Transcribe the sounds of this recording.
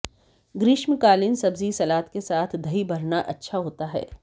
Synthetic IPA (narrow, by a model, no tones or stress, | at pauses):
ɡɾɪʃmɪkaːlɪnsɐbzisɐlaːt̪kesaːt̪ʰd̪ʱɐɦibʱɐɾnaʔɐtːʃʰaɦoːt̪aɦɛ̰ː